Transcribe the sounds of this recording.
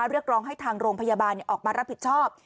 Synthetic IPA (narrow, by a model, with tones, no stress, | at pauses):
ɾɯ˥˩ək̚ɾɔː˦˥ŋɦa˥˩jt̪ʰaː˧ŋɾoː˧ŋpʰa˧jaː˧baː˧nːi˨˩ʔɔː˨˩k̚maː˧ɾa˦˥p̚ʰːi˨˩t̪̚t͡ɕʰɔː˥˩p̚